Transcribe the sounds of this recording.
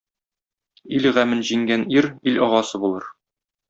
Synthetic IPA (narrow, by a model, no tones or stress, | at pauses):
ilʁæmɘnʑiŋɡæniɾilɒʁɑsɤbulˠɤɾ